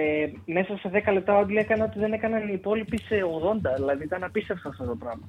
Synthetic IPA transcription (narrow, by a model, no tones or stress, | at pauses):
eme̞sɐseðe̞kɐle̞p̚t̪ɐod̪liekɐneo̞t̪iðe̞ne̞kɐnɐniːpo̞lipiseoɣðo̞nd̪ɐðilɐðiut̪ɐnɐpist̪efsɐnɐft̪ot̪o̞pɾɐmɐ